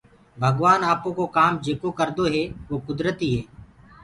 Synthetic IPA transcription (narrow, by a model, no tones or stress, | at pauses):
bʱəɡʋaːnaːpõːkoːkaːmd͡ʒeːkoːkəɾd̪oːɦɛːʋoːkʊd̪ɾət̪iːɦeː